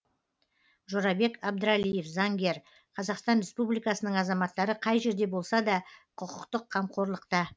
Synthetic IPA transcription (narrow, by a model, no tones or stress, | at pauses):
ʒoɾɑbe̞kɑb̚d̪əɾalije̞fzɑŋɡʲe̞ɾ | qʰɑzɑqst̪ɑnɾʲe̞spublijkɑsənəɴɑzɑmɑt̪ːɑɾəqʰɑjʒe̞ɾd̪e̞bo̞lˠsɑd̪ɑqʰəqəqt̪əqʰːɑmqʰo̞ɾlˠəqt̪ə